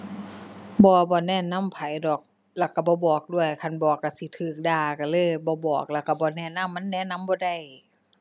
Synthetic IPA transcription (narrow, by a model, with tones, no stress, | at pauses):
bɔː˧bɔː˧˦nɛː˧˨na˧˥˨mpʰa˨˦jdɔː˨˩k̚ | lɛ˧˩˨ka˧˩bɔː˧˦bɔː˨˩k̚du˧˥˩əjkʰa˧˥˨nbɔː˨˩kːa˧˩si˧˦t̪ʰɯː˨˩k̚daː˧˩ka˧˩lɤː˧˥˨jbɔː˧˦bɔː˨˩k̚lɛ˧˩wka˧˩bɔː˧˦nɛː˧˥˨na˧˥˨mːa˧˥˨nːɛː˧˥˨na˧˥˨mbɔː˧˦da˧˩˨j